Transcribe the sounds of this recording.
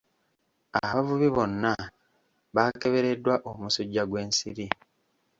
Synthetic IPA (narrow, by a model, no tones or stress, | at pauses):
aβavuβiβo̞nːa | βake̞βe̞ɾe̞dːwaʔomusuɟːaɡwe̞ːnsiɾi